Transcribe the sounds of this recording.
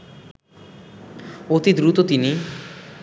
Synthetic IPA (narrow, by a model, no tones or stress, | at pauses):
ot̪id̪ɾut̪ot̪ini